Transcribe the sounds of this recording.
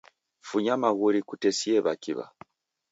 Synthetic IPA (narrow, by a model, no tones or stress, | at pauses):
fuɲamaɣuɾikutɛsiɛβakiβa̰